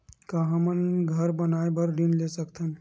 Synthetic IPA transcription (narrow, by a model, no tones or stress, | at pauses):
kaɦəmənɡʱəɾbənaebəɾɾinlesəkt̪ʰən